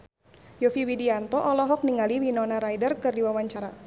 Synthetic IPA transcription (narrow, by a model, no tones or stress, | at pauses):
jɔfiwidiant̪ɔʔɔlɔɦɔk̚niŋaliwinɔnaɾajdərkɨrdiwawaɲt͡ʃaɾa̰